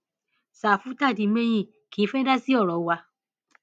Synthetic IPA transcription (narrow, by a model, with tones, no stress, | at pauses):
sa˨fu˨˦ta˦˨di˨˧˦mɛ̃˦j̃ĩ˦˨ | kiː˨˦fɛ˦da˦si˦ɔ˦˨ɾɔ˨˦wa˧